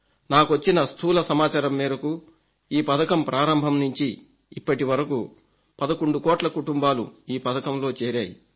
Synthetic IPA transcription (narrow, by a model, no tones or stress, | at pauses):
naːkuʋɐt͡ʃːinɐst̪ʰuːlɐsɐmaːt͡ʃaːɾɐmːiːɾɐku | iːpɐd̪ɐkɐmpɾʔaːɾɐmbʱɐmnuɲt͡ʃiː | pːɐʈiʋɐɾɐku | pɐd̪ɐkoɳɖukɔːʈlɐkuʈumbaːlṵiːpɐd̪ɐkɐmlo̞ːt͡ʃeːɾaːjḭ